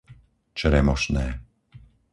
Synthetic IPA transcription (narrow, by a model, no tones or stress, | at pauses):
t͡ʃɾɛmɔʃnɛː